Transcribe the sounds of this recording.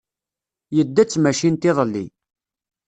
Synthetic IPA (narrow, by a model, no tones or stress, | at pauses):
jəd̪ːæt͡sːmæʃint̪ɪðˤəlːḭ